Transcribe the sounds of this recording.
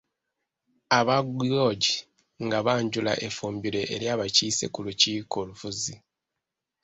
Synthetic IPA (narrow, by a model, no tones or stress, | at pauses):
aβaɡoːɟi | ŋɡaβaːɲɟula̰ʔe̞fuːmbiɾe̞ʔeɾjaːβaciːse̞̰kuluciːko̞lufuzi